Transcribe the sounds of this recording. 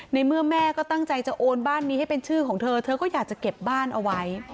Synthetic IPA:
na˧jmɯ˥˩əmɛː˥˩kɔː˥˩t̪a˥˩ŋt͡ɕa˧jt͡ɕa˨˩ʔoː˧nbaː˥˩nːiː˦˥ha˥˩jpe˧nt͡ɕʰɯː˥˩kʰɔː˩˦ŋt̪ʰɤː˧t̪ʰɤː˧kɔː˥˩jaː˨˩k̚t͡ɕa˨˩ke˨˩p̚baː˥˩nʔa˧wa˦˥j

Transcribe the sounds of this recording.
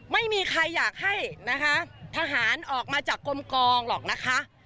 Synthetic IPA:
ma˥˩jmiː˧kʰɾa˧jːaː˨˩k̚ha˥˩jna˦˥kʰa˦˥t̪ʰa˧ɦaː˩˦nʔɔː˨˩k̚maː˧t͡ɕaː˨˩kːo˧mkɔː˧ŋlɔː˨˩k̚na˦˥kʰa˦˥ʔ

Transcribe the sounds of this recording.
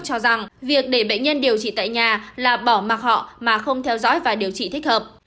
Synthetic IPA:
t͡ɕɔ˧za˨˩ŋvi˨˩ək̚ɗe˧˩ɓḛ˧˨ɲ̟ɲə˧nɗi˨˩əwt͡ɕḭ˧˨t̪a̰ː˧˨jɲaː˨˩laː˨˩ɓɔ˧˩ma˨˩t̚hɔ̰˧˨maː˨˩xə˧wŋ͡mt̪ʰɛ˧wzɔ̰ː˧˥jvaː˨˩ɗi˨˩əwt͡ɕḭ˧˨t̪ʰi˦˥k̟̚həː˨˩p̚

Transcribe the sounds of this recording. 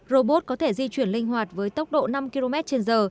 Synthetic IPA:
zo˧ɓo˦˥t̚kɔ˨˦t̪ʰe˧˩zi˧t͡ɕwi˧˩ənlï˧ŋ̟hɦwaː˨˩t̚vəː˨˦jt̪ə˦˥wk͡p̚ɗo̰˧˨na˧mki˧lo˧mɛ˦˥t̚t͡ɕe˧nzəː˨˩

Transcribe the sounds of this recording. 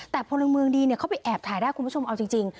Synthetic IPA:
t̪ɛː˨˩pʰo˧nːla˧ŋmɯ˧əŋdiː˧ni˧˩ɐkʰa˥wpa˧jʔɛː˨˩p̚t̪ʰaː˨˩˦jdaː˥˩kʰu˧˥˩o˧mʔa˧wt͡ɕi˧ŋt͡ɕi˧ŋ

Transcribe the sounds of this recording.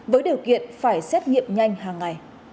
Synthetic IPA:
vəː˨˦jɗi˨˩əwkḭ˧˨ənfaː˧˩jsɛ˦˥t̚ŋḭ˧˨əmɲa˧jŋ̟haː˨˩ŋːa˨˩j

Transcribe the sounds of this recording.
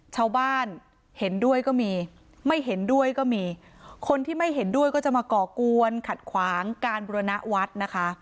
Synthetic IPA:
t͡ɕʰaː˧wbaː˥˩n | he˩˦ndu˥˩əjkɔː˥˩miː˧ | ma˥˩jɦe˩˦ndu˥˩əjkɔː˥˩miː˧ | kʰo˧nt̪ʰiː˥˩ma˥˩jɦe˩˦ndu˥˩əjkɔː˥˩t͡ɕa˨˩maː˧kɔː˨˩ku˧ənkʰa˨˩t̪̚kʰwaː˩˦ŋkaː˧nbu˧ɾa˧na˦˥ʔwa˦˥t̪̚na˦˥kʰa˦˥ʔ

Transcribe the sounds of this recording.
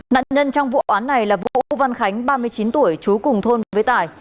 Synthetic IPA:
na̰ː˧˨nɲə˧nt͡ɕɔ˧wŋ͡mvṵ˧ʔʔaː˨˦nːa˨˩jlaː˨˩vṵ˧˨ʔva˧nxa˨˦jŋ̟ɓaː˧mɨ˧əjt͡ɕi˨˦nt̪u˧˩əjt͡ɕu˨˦kʊ˨˩ŋ͡mt̪ʰo˧nvə˨˦vəː˨˦jt̪aː˧˩j

